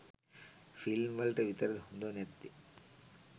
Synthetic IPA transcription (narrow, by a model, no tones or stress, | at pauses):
filmʋɐlʈɐʋit̪ɐɾɐd̪ɦund̪onet̪ːi